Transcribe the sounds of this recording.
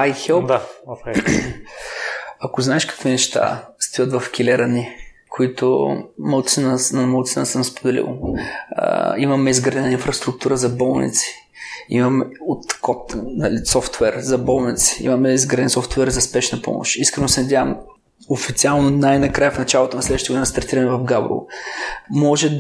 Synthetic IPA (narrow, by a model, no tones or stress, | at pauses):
ajxɛlˠp̪ | ɐkoznaɛʃkɐ̥kvinɛʃt̪a̰st̪ivət̪vɐfk̟ʲilɛɾɐni | kʰoit̪ʊ̰mɐlˠt̪sinəsnɐmɐlˠt̪sinəsəmspod̪ɛlḭl̰ˠ | imɐmɛizɡɾad̪ɛnəinfɾɐst̪ɾʊk̚t̪uɾəzɐbɔlˠnḭt̪si̥ | ḭmɐmɛot̪kɔt̪nɐ̰lisɔft̪vɛɾzɐbɔlˠnit̪si̥ḭmɐmɛizɡɾad̪ɛnsɔft̪vɛɾzɐspɛʃnɐpɔ̰mo̰ʃt̪iskɾɛnosɛnɐd̪ʲjavəm | ofit̪sialˠnonajnɐkɾajəfnɐt͡ʃalˠot̪onɐslɛd̪əʃt̪əɡʊdinɐst̪ɐɾt̪iɾɐmɛvɐfɡabɾṵlˠ | mɔʒɛ